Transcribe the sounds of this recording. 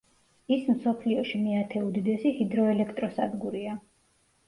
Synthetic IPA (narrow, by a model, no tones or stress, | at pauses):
ismsɔpʰliɔʃimiat̪ʰɛud̪id̪ɛsihid̪ɾɔɛlɛkʰt̪ʼɾɔsa̰d̪ɡuɾia